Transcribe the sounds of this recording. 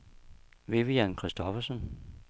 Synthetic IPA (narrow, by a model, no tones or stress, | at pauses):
ʋe̝ʋiænkʰʁisd̥ɒfɐsən